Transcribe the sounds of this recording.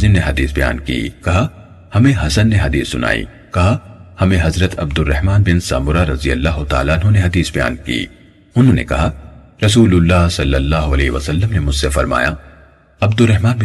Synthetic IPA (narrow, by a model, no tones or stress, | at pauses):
zɪmneɦɐd̪iːsbɐja̰ːnkḭːkɐɦa | hɐmẽɦɐsənːeɦɐd̪iːsːʊnʔa̰ːḭ | kɐɦahɐmẽɦɐzɾət̪ɐ̰b̚d̪ʊrːɐɦmaːnbɪnsa̰ːmʊɾaɾɐzijəlːaːɦʊt̪a̰ːlaʊnɦõneɦɐd̪iːsbɐja̰ːnkḭː | ʊnɦõːnḛkɐɦa | ɾɐsuːlʊlːaːɦsɐlːɐlːaːɦoɐleːʋɐ̰sɐlːəmnemʊd͡ʒsefɐɾma̰ːja | ɐbd̪ʊrːɐɦmaːnb